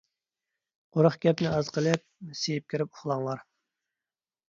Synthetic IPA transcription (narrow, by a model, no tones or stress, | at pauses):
qoɾəχɡʲɛpnɪɑzqəlˠɨp̚sejip̚kʲʰiɾɪpʊχlˠɑŋlˠɑɾ